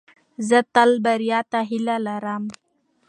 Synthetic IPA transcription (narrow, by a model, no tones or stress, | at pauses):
zət̪albaɾjɑt̪aɦɪlalaɾam